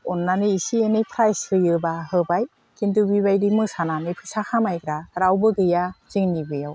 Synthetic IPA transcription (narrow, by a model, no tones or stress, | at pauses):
ɔnːaniːsienipʰɾajshɯjɯbahɯbaj | kindubiβajdimɯsananipʰɯsakʰamajɡɾaɾawbɯɡɯjaz̥iŋnibɯjaw